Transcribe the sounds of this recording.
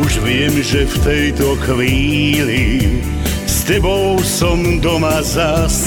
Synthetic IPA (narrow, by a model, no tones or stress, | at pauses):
uʒʋɪɛmʒɛft̪ɛjt̪ɔxʋiːli | st̪ɛbɔʊsɔmd̪ɔmazas